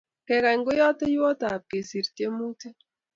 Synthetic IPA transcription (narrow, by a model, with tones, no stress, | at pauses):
kɛ˨ka˨ŋɡo˦jɔ˦te˦jɔ˦ta˨p̚ke˨si˨ɾte˦mu˦te˦